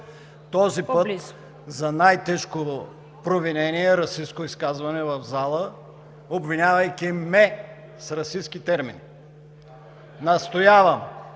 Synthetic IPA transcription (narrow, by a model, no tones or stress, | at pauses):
t̪ɔzipɤt̪ | zɐnajt̪ɛʃkoo | pɾovinɛniɛɾɐsiskoiskazvɐnɛvɐvzalˠə | obvinʲavɐjkʲimɛ | sɾɐsiskit̪ɛɾmini | nɐst̪ojavɐm